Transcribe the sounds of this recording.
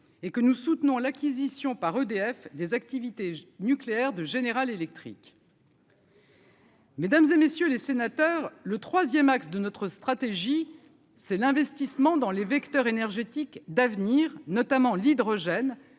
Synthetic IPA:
ekənusut̪nɔ̃lakʲizisjɔ̃paʁød̪eɛfd̪ezak̚t̪ivit̪enykleɛʁd̪əʒeneʁalelɛk̚t̪χḭk | med̪amzemesjølesenat̪œʁlət̪χwazjɛmaksd̪ənɔt̪χəst̪χat̪eʒi | sɛlɛ̃vɛst̪ismɑ̃d̪ɑ̃levɛkt̪œʁenɛʁʒet̪ikd̪avniʁnɔt̪amɑ̃lid̪ʁɔʒɛn

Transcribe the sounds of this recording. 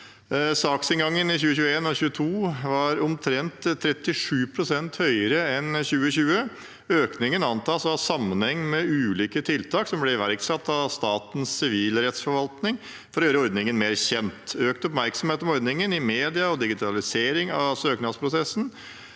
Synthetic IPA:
sɑːksɪnɡɑŋːənɪçʉːəçʉːəeːnɔçʉːət̪ʰuːʋɑɾɔmt̪ʰɾɛnt̪ʰːɾɛt̪ːɪʂʉːpʰɾʊsɛnt̪hœʏəɾəɛnçʉːəɕʉːə | øːknɪŋənɑnt̪ʰɑːsɑsɑmːənhɛŋːmɛʉːliːkət̪ʰɪlt̪ʰɑːksɔmblɛɪʋæɾksɑt̪ːɑʋst̪ɑːt̪n̩ssɪʋiːlɾɛt̪sfɔɾʋɑlt̪nɪŋ | fɔɾɔjøːɾəɔɾd̪nɪŋənmeːɾçɛnt̪øːkt̪əɔpmæɾksɔmheːt̪ɔmɔɾd̪nɪŋənɪmeːd̪ɪɑɔd̪ɪɡɪt̪ʰɑlɪseːɾɪŋɑʋsøːknɑd̪spʰɾʊsɛsn̩

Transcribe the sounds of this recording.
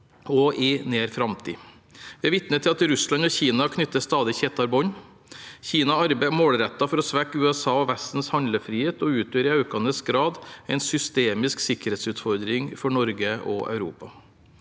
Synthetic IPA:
ɔʔɪneːɾfɾɑmt̪ʰḭː | ʋɪæʋɪt̪nət̪ʰɪlɑt̪ɾʉslɑnɔçiːnɑkʰnʏt̪ːəst̪ɑːd̪ɪçeːt̪ɑɾbɔn | çiːnɑɑɾbɛmoːɽɾɛt̪ːɑfɔɾɔsʋækːʉːɛsɑːɔʋæst̪n̩shɑnd̪ləfɾiːheːt̪ɔʉːt̪ʰøːɾɪɑʉkɑnəsɡɾɑːd̪ɛɪnsʏst̪eːmɪsksɪkəɾhɛːt̪sʉːt̪fɔɾd̪ɾɪŋfɔɳɔɾɡəʔɔ̰ʔɑ̰ʉɾṵːpɑ

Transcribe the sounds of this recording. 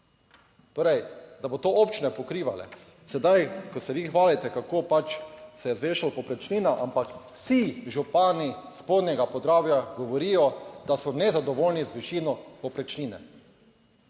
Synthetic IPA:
t̪oːɾɛjd̪abot̪oːopt͡ʃinɛpɔkɾiːʋalɛ̰ | sɛd̪ajkɔsɛʋixʋaːlit̪ɛkakoːpat͡ʃsɛjɛzʋeːʃalpɔpɾɛt͡ʃniːnaʔampakwsiʒupaːnispoːd̪nʲɛɡapɔd̪ɾaːbjaɡɔʋɔɾiːjɔd̪̥asɔnɛzad̪ɔʋoːlnizʋiʃiːnɔpɔpɾɛt͡ʃniːnɛ̰

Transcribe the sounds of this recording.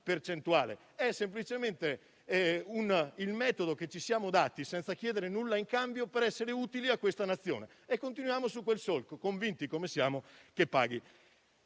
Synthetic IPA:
pert͡ʃent̪uaːlḛ | ɛsːemplit͡ʃement̪e | unilmɛːt̪od̪oket͡ʃːisjaːmod̪aːt̪isɛnt̪sak̟jɛːd̪eɾenulːaiŋkambjopeɾɛsːeɾeuːt̪iliakːwest̪anat̪sːjo̰ːne | ekːont̪inujaːmosukːwelsolkokoɱvint̪ikomesjaːmokepːa̰ːɡi

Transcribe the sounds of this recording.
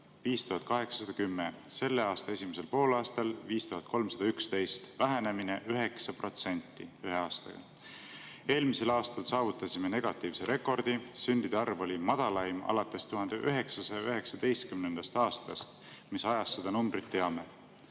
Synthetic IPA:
viːst̪uɦɑt̪kɑɦe̞ksɑ̥sɑd̪̥ɑkymːese̞lːe̞ɑːst̪ɑesʲimese̞lpo̞ːlɑːst̪ɑlviːst̪uɦɑt̪̚ˑko̞lmsɑd̪̥ɑykst̪e̞jst̪væɦæne̞mineʔyɦe̞ksɑpro̞t̪se̞nʲt̪ːˑiyɦeɑːst̪ɑ̰ɡ̥ɑ̰ | e̞ːlmise̞lɑːst̪ɑlsɑːvut̪ːˑɑsʲime̞ne̞ɡ̥ɑt̪ːˑiːvse̞ɾʔe̞kːˑo̞rd̪̥isynd̪̥id̪̥eɑrvo̞lʲimɑd̪̥ɑlɑjmɑ̰lɑt̪ːˑe̞st̪uɦɑnd̪̥eʔyɦe̞ksɑsɑjɑyɦe̞ksɑd̪̥e̞jst̪̚kymnend̪̥ɑst̪ɑːst̪ɑst̪ | misɑjɑsːe̞d̪̥ɑnumbɾit̪ːe̞ɑme

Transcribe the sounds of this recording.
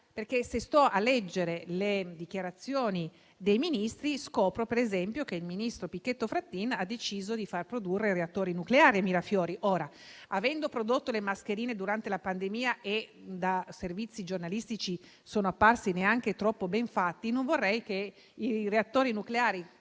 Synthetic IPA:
perkesest̪ɔʔalːɛd͡ʒːeɾeled̪ik̟jaɾat̪sːjoːni | d̪ejminist̪ɾiskɔːpɾopeɾezɛmpjokeilminist̪ɾopikːet̪ːofɾat̪ːinad̪ːet͡ʃiːzod̪ifarpɾod̪urːeɾeat̪ːoːɾinukleaːɾiamiːɾafjɔːɾiʔoːɾa | avɛnd̪opɾod̪ot̪ːolemaskeɾiːned̪uɾant̪elapand̪emiːaʔed̪aservit̪sːid͡ʒornalist̪it͡ʃi | soːnoapːarsineaŋk̟et̪ɾɔpːobɛɱfat̪ːinoɱvorːɛjke | ireat̪ːoːɾinukleaːɾi

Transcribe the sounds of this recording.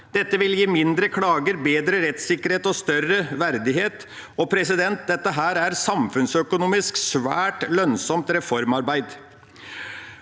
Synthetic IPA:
d̪̥ɛt̪ːəʋɪljiːmɪnd̪ɾəkʰlɑːɡəɾbeːd̪ɾəɾɛt̪sɪkːəɾheːt̪ɔst̪œrəʋæɾd̪ɪɦeːt̪ | ɔpʰɾɛsɪd̪ɛnt̪̚d̪ɛt̪ːəɦæːɾæɾsɑmfʉnsœkʊnuːmɪsksʋæːʈlœnsɔmt̪ɾɛfɔɾmɑɾbæɪd̪

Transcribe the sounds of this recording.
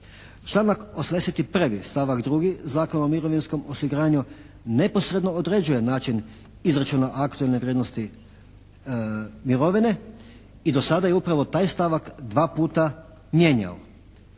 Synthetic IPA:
t͡ʃlˠaːnakosamd̪e̞set̪ipr̩ʋist̪aʋakd̪ɾuɡizaːkonomiɾo̞ʋinsko̞mosiɡɾaːɲu | ne̞po̞sɾe̞d̪no̞od̪ɾe̞d͡ʑuje̞naːt͡ʃin | izɾat͡ʃunaʔakt̪uelneʋɾʲjed̪nost̪i | miɾo̞ʋine̞ | id̪o̞sad̪aje̞upɾaʋo̞t̪aːjst̪aʋakd̪ʋaːpuːt̪a | mje̞ːɲa̰o

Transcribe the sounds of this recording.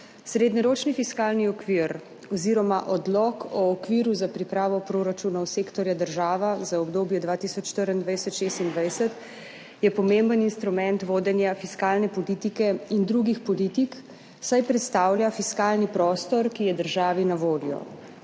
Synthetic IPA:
sɾeːd̪ɲɛɾoːt͡ʃnifiskaːlniɔkʋiɾ | ɔziɾɔmaʔɔd̪lɔkʰɔːkʋiːɾuzapɾipɾaːʋɔpɾoːɾat͡ʃuːnawseːkt̪ɔɾjad̪əɾʒaːʋazaɔbd̪oːbjɛd̪ʋaːt̪iːsɔt͡ʃːt̪əɾənd̪ʋajsɔt̪ʃest̪ind̪ʋajsət̪ | jɛpɔmembəninst̪ɾumɛnt̪ʋoːd̪ɛnjafiskaːlnɛpɔliːt̪ikɛind̪ɾuɡixpɔliːt̪ik | sajpɾɛt̪st̪aːwljafiskaːlnipɾɔːst̪ɔɾkijɛd̪əɾʒaːʋinaʋoːljɔ̰

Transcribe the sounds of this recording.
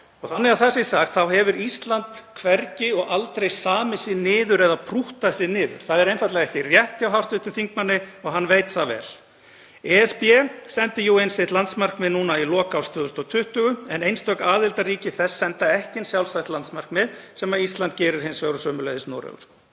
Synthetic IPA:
ɔɣθanːɛɣaθɛsɪsaxt̪θawhɛvʏɾist̪lant̪kʰvɛɾcɪɔɣalt̪ɾejsaːmɪsɪnɪːðʏɾɛðapʰɾuht̪asɪnɪːðʏ̰ɾ̥θaðɛɾejnfaɾ̥t̪lɛɣɛhcɪrjɛht̪ɪawɦawr̥t̪ʏht̪ʰɪlθiŋkmanːɪɔɣɦanːvejt̪θavɛ̰ːl | ɛːɛspɛsɛnt̪ɪjuwejnsɪht̪lant̪smar̥kmɛðnuːnailɔːkawst̪œːðʏst̪ɔt̪ʰʏht̪ʏɣʏɛnejnst̪œkaːðɪlt̪aɾiːcɪθɛsːɛnt̪aɛhcɪnsjawlsaht̪lant̪smar̥kmɛðsɛmaist̪lant̪̚cɛːɾɪɾ̥hɪnsvɛːwɾʏsœːmʏlejðɪstnɔ̰ːwɾɛ̰ɣʏ̰ɾ̥

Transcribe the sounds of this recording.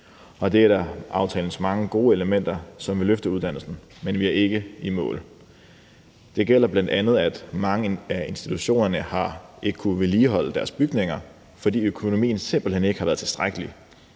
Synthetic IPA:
ɒ̽d̥e̝æɾ̥ɑʔɑ̈ʊt͡sʰɛ̰ːln̩smɑ̈ŋəɡ̥o̝ːeləmen̰d̥ɐsɒ̽mʋe̝løfd̥əuðˠd̥æn̰l̩sn̩ | menʋiæɐe̝ɡ̥əimɔ̰̽ːl | d̥e̝ɡ̥el̰ɐb̥læn̰d̥ænð̞̩ˠæd̥mɑ̈ŋəæe̝nsd̥it͡sʰuɕo̝̰ːnɐnəhɑ̈e̝ɡ̥əkʰuʋeliːɦɒ̽l̰əd̥æɐsb̥yɡ̥ne̝ŋɐ | fɒ̽dḭːøkʰo̝no̝mḭːn̩se̝mb̥l̩hene̝ɡ̥əhɑ̈ʋæːɐt͡sʰe̝sd̥ʁaɡ̥əli

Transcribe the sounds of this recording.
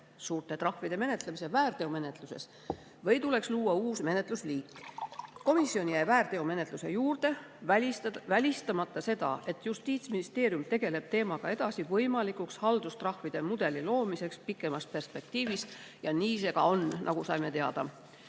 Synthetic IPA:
suːrt̪ˑe̞t̪rɑhvid̪̥e̞me̞ne̞t̪lemisevæːrt̪e̞ome̞ne̞t̪ˑluse̞̰s | vɤ̞jt̪ule̞ksluːwɑuːsme̞ne̞t̪ˑlusliːkːˑko̞misːio̞njæjvæːrt̪e̞ome̞ne̞t̪luse̞̰juːrd̪̥e̞ævælʲist̪ɑmɑt̪ːˑɑse̞d̪̥ɑ̰e̞t̪ːˑjust̪iːt̪sminist̪eːɾiumt̪e̞ɡ̥e̞le̞b̥̚t̪e̞ːmɑɡ̥ɑe̞d̪̥ɑsivɤjmɑlikˑukshɑld̪ust̪rɑhvid̪̥e̞mud̪̥e̞lilo̞ːmise̞kspikːˑe̞mɑspe̞rspe̞k̚t̪iːvis | jɑniːse̞ɡ̥ɑ̰o̞nnʔɑ̰ɡ̥usɑjme̞t̪eɑd̪̥ɑ̰

